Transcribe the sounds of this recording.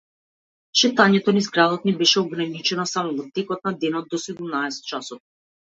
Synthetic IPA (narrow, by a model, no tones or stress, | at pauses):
ʃɛt̪aɲɛt̪ɔnizɡɾad̪ɔt̪nibɛʃɛɔɡɾanit͡ʃɛnɔsamɔvɔt̪ɛkɔt̪̚nad̪ɛnɔt̪̚ːɔsɛd̪umnaɛsɛ̥t̪̚t͡ʃasɔt̪̚